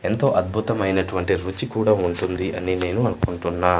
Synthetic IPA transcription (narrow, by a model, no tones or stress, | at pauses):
ent̪o̞ːʔɐd̪̚bʱut̪ɐmɐjnɐʈuʋɐɳʈiɾut͡ʃikuːɽaːuɳʈund̪iʔɐnine̞ːnuɐnukuɳʈunːaː